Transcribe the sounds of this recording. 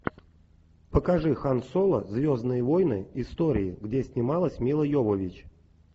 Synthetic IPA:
pəkɐʐɨxansolˠə̰zʲvʲoznɨjəvojnɨɪst̪oɾʲɪɪɡdʲesʲnʲɪmalˠəsʲmʲilˠəjovəvʲɪt͡ɕ

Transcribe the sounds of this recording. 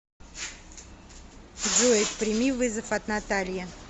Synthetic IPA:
zuet̪pɾʲɪmʲivɨzəfɐt̪nat̪alʲjə

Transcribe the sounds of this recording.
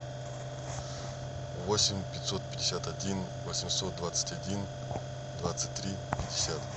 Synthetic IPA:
vosʲɪmʲpʲɪt̪ʲsot̪̚pʲɪdʲɪsʲat̪ɐdʲin | vosʲɪmsot̪̚d̪vat̪sɨ̥tʲadʲin | d̪vat̪sɨ̥t̚ʲt̪ːɾʲi | pʲɪdʲɪsʲat̪

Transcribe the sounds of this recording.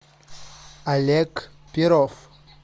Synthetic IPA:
alɛk | piɾɔf

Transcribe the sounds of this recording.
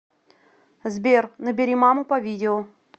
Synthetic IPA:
zbʲernəbʲɪɾʲimamʊpɐvʲidʲɪʊ

